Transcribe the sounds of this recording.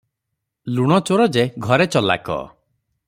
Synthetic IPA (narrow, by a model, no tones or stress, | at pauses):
luɽ̃ɔt͡ʃoɾɔd͡ʒeɡʱɔɾet͡ʃɔla̰kɔ̰